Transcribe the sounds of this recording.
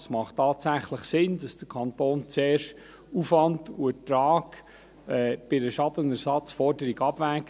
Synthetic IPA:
smɑχtːɑːtsæχləχsɪnd̥ɑsd̥əkʰɑntoːnt͡seːʃ | ufʋɑntuətɾɑːɡ̥ | ɛːb̥ɪɾəʃɑdənɛɾsɑt͡sfɔɾdəɾiɡɑb̥væːk

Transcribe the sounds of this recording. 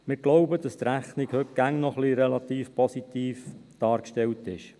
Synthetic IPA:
mɪːɾɡlɔʊbəd̥ɑst̪ɾæχniɡhɵk̚ɡ̥æŋnɔχliɾɛlɑt̪iːfpʰɔsit̪iːfd̥ɑːɾkʃtɛltɪʃ

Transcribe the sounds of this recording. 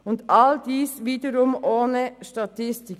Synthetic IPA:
ʊndɑldiːsviːdəɾʊmoːnəʃtɑt̪ʰɪstɪk

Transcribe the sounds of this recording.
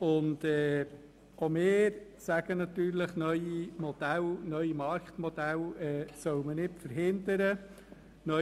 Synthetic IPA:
ʊnd̪ɛː | omɪːɾsæɡ̥ənɑt̪yːɾləχnœʏimɔd̥ælnœʏimɑɾkt̪mɔd̥̪ælɛːsœwmənɪtfəɾɦɪnd̪əɾə | nœ

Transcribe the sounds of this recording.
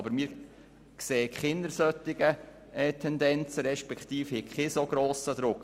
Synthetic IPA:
bəɾmiːɾ | kseːkχɪnəɾsœt̪ːɪɡə | ɛt̪ʰɛnd̪ɛnt͡səɾɛʃpɛkχt̪iːfhɪkχɪsoɡɾoːsəd̪ɾʊk

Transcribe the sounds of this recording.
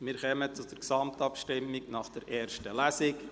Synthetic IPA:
mɪːɾχɛmət͡sʊd̥əɾksɑmtɑpʃtɪmːɪknɑχd̥ɛɾʔɛːrʃtəlæsɪk

